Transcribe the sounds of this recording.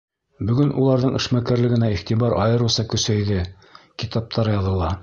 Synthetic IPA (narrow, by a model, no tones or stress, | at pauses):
bɵ̆ɡɵnʔulˠɑɾðɤɴɘ̆ʃmækæɾlɘ̆ɡɘ̆næiχt̪ibɑɾʔɑ̰jɤ̆ɾusɑkɵ̆sæjðɘ | kit̪ɑp̚t̪ʰɑɾɤjɑðɤ̆lˠɑ